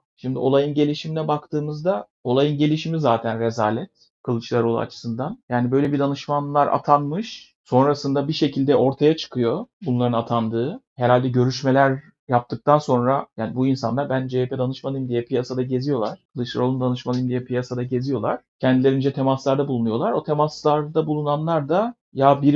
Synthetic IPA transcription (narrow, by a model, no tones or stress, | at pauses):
ʃimd̪io̞̰lˠajɯnɟe̞lʲiʃimilʲɛbakt̪ʰɯːmɯzd̪a | o̞lˠajɯnɟe̞lʲiʃimizaːt̪ʰænɾe̞zaːlʲɛt̪̚ | kʰɯlˠɯt͡ʃlˠaɾo̞lˠṵa̰t͡ʃʰɯ̥sɯnd̪anjaːnibø̞jlʲebid̪anɯʃmanlˠaɾa̰t̪ʰanmɯʃ | so̞nɾasɯnd̪abiʃe̞cʰilʲd̪ɛʔo̞ɾt̪ʰajat͡ʃʰɯ̥kʰɯjo̞bunlˠaɾɯnat̪ʰand̪ɯːheɾalʲd̪ɛɟø̞ɾyʃme̞lʲæɾ | jap̚t̪ʰɯk̚t̪ʰanso̞nɾajaːnibuinsa̰nˠaɾbænd͡ʒepʰed̪anɯʃmalˠɯjmd̪ijɛpʰijasad̪aɟe̞zijo̞lˠaɾ̥kʰɯlˠɯt͡ʃlˠa̰ɾo̞lˠumd̪anɯʃmalˠɯjɯmd̪ijɛpʰijasad̪aɟe̞zijo̞lˠaɾ̥cʰɛnd̪ilʲeɾind͡ʒɛt̪ʰe̞maslˠaɾd̪abulˠunujo̞lˠaɾo̞t̪ʰe̞maslˠaɾd̪abulˠunanlˠaɾd̪a | jabiɾ